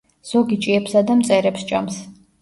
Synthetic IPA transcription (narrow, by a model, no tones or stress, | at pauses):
z̥ɔɡit͡ʃʼiɛpsad̪amt̪sʼɛɾɛpsd͡ʒams